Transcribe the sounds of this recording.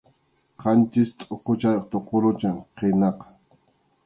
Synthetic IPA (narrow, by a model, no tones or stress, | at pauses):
qʰɑnt͡ʃɪst̪ʼoqot͡ʃajqt̪oqoɾʊt͡ʃaŋqenɑq